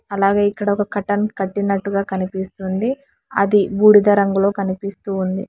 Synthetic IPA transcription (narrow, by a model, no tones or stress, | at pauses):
ɐlaːɡe̞ːikːɐɽɐɔkɐkɐʈɐnkɐʈːinɐʈːuɡaːkɐnipist̪und̪i | ɐ̰d̪ibuːɽid̪ɐɾɐŋɡulo̞ːkɐnipist̪uːnd̪ḭ